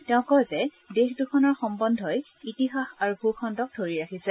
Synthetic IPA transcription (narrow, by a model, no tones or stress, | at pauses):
tɛʊ̃kɔjzɛ | dexdukʰɔnɔɹxɔmbɔndʱɔj | itiɦaxaɹubʱukʰɔndɔk̚dʱoɹiɹakʰisɛ